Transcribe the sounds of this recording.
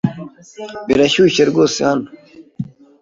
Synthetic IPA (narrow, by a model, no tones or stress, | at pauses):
biɾɐɕuːɕeɾɡoːsijaːn